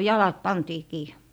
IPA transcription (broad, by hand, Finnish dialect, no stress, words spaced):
jɑlɑt pɑntiː kiː